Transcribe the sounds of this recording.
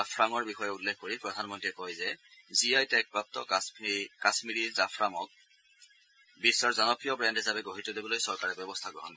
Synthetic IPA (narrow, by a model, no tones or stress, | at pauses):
apʰɹaŋɔɹbixɔjɛulːɛxkoɹipɹɔdʱanmɔntiɛkɔjzɛziajtɛk̚pɹap̚tɔ̰kkasmiɹizapʰɹaŋɔk̚ | bisːɔɹzɔnɔpɹijɔbɹɛndɛzabɛɡoɦitɔlobɔlojsɔɹkaɹɛbjɔbɔstʰaɡɔ̰ɦɔ̰n